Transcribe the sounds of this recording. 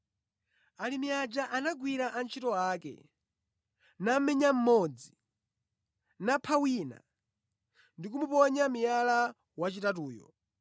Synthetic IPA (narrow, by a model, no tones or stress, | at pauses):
alimiad͡ʒaʔanaɡwiɾaʔant͡ʃʰitɔaːkɛ̰ | nam̩mɛɲam̩mɔd͡zi | napʰawina̰ | ndik̬umupɔɲamijala | wat͡ʃitatuːjɔ̰